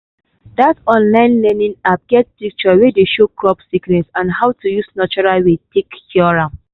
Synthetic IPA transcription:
datɔ̃nlãɪ̃nlɛnĩnap̚ɡ̥ɛt̚pik̚t͡ʃɔwedeʃokɹɔpsiknɛsãnhawtʰujusnat͡ʃɔɹalwetʰekkiɔɹãm

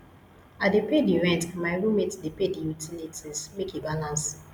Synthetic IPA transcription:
adepediɹɛ̃ntmaɪɹũmetdepedijutʰilitʰismekibalãns

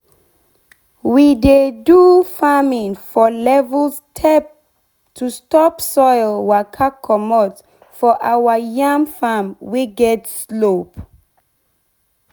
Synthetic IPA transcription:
widedufamĩŋfɔlɛvəlstʰɛp̚ | tʰustɔpsɔjlwakʰakʰɔmɔt | fɔʔawajãŋfamwiɡɛtslop

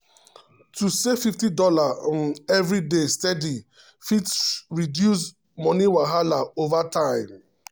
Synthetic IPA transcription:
tusefiftidɔlaɛvɹidestɛdi | fitsɹidjus̬ | mɔniwaɦalaovatãɪ̃m

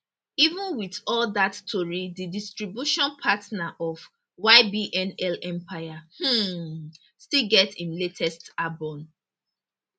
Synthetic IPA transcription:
ivũnwiθɔldattʰːoɹididistɹibjuʃɔ̃npʰatnaʔɔf | waɪbiʔɛ̃nɛlɛ̃mpʰaɪah̩ | stilɡɛtĩnletʰɛstabɔ̃n

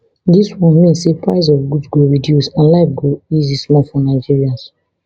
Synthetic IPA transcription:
diswɔ̃nmĩnsepɹa̰ɪs̬ɔvɡudsɡoɹidjusãnlak̚ɡoizismɔlfɔnaɪd͡ʒiɹias

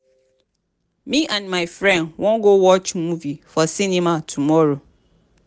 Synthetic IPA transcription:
mĩʔãnmãɪfɾɛ̃nwɔ̃nɡowɔt͡ʃmũvifɔsĩnĩmãtʰumɔɾo

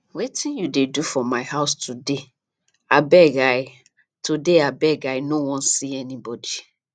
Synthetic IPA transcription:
wetĩnjudedufɔmaɪhaʊstʰude | abɛɡaɪ | tʰudeabɛɡaɪnowɔ̃nsiɛnibɔdi

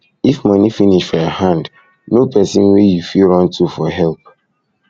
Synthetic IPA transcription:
ifmʌnifiniʃfɔjɔhãnd | nopʰɛsḭ̃nwejufilɹɔ̃ntufɔɦɛlp

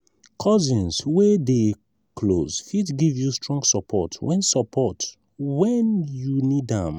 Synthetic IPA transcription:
kʰɔzĩnswede | kʰlozfitɡivjustɹɔ̃ŋɡsɔpʰɔtwɛ̃nsɔpʰɔt | wɛnjunidãm

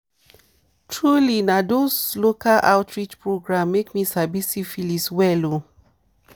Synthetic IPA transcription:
tʰɹulinadoslokʰala̰ʊtʰɹit͡ʃpʰɹoɡɹãmːekmisabisifiliswɛlo

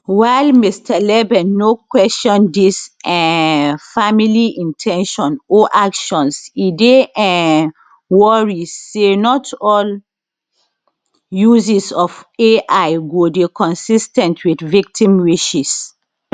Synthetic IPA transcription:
wajlmistʰalɛbɛ̃nːokwɛstɔ̃ndisɛ̃familiʔĩntʰɛ̃nʃɔ̃noʔakʃɔ̃nsideʔɛ̃ | wɔɹiːenɔtɔl | juzisɔfeʔajɡodekɔ̃nsistɛ̃ntʰwidvik̚tʰĩmwiʃis

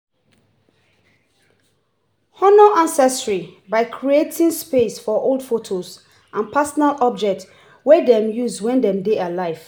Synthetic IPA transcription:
hɔnoʔãnsɛstɹibaɪkʰɹietʰĩnspesfɔʔolˠdfotʰoz | ʔãnpʰasɔnalɔb̚d͡ʒɛk̚t | wɛdɛ̃mjuzwɛ̃ndɛ̃mdealaɪv̥

